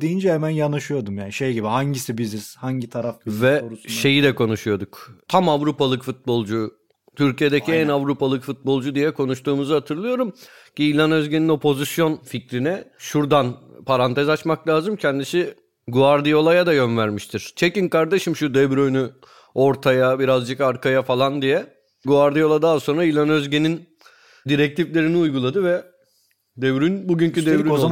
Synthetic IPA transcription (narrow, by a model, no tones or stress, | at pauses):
d̪ijind͡ʒɛhɛmænjanɯʃɯjo̞d̪umjaːniʃejɟibihaɲɟisibiziz̥haɲɟit̪ʰaɾafvɛʃʃe̞jid̪ɛkʰo̞nuʃujo̞d̪ukt̪ʰamavɾupalˠɯkfut̪̚bo̞lˠd͡ʒu | t̪ʰyɾcije̞d̪ecʰiɛnavɾupʰalˠɯkfut̪̚bo̞lˠd͡ʒud̪ijɛkʰo̞nuʃt̪uːmuzɯhat̪ʰɯɾlˠɯjo̞ɾum | ciːlʲanø̞zɟenino̞pʰo̞zisjo̞nficɾinɛʃuɾd̪anpʰaɾant̪ʰɛzat͡ʃmaklʲaːzɯmcʰɛnd̪isi | ɡuaɾd̪ijo̞lˠajad̪ajø̞nvæɾmiʃt̪ʰiɾ̥t͡ʃʰecinkaɾd̪e̞ʃimʃud̪ɛvɾøny | o̞ɾt̪ʰajabiɾazd͡ʒɯkaɾkʰajafalˠand̪ijɛ | ɡuaɾd̪ijo̞lˠad̪aːso̞nɾailʲˠanø̞zɟe̞nin | d̪iɾɛc̚t̪ʰiflʲe̞ɾiniujɡulˠad̪ɯvɛ | d̪ɛvɾynbuɟyncyd̪ɛvɾy